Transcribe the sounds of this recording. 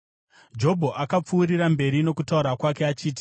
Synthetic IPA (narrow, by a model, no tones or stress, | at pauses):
d͡ʒo̞bʱo̞ʔakap͡fuːɾirambe̞ɾino̞kutauɾakwake̞at͡ʃiːt̬i̥